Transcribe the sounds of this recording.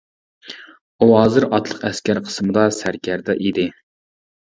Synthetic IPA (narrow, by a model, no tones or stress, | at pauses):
uɦɑːzɨɾɑt̪lˠəqɛskʲæɾqʰə̥smɨd̪ɑsæɾkʲæɾd̪ɛʔid̪ɪ